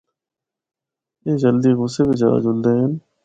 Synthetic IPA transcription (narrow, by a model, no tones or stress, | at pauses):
eːd͡ʒəld̪iːɣʊseːbid͡ʒa̰ːd͡ʒʊld̪eːɦən